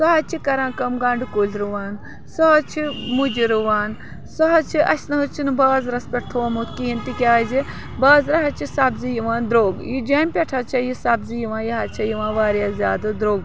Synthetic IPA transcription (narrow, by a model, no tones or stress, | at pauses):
sɐɦɐt͡ʃʰikɐɾãːkɐmɡaːɳɖɨkulʲɾuʋaːn | sɔɦɐt͡ʃʰimud͡ʒiɾuʋaːn | sɔɦɐt͡ʃʰiʔɐsnɐɦut͡ʃʰinbaːzɾɐspʲɐʈ̚t̪ʰuʋɐmut̪ʰkiɦint̪ikʲaːzi | baːzɾɐɦɐt͡ʃʰisabzijiʋaːnd̪ɾoːɡjid͡ʒɐmʲpʲeʈʰat͡ʃʰɐjisabzijiʋãːnjɐɦat͡ʃʰɐjiʋãːʋaːɾjaːzʲjaːd̪ɨd̪ɾoːɡ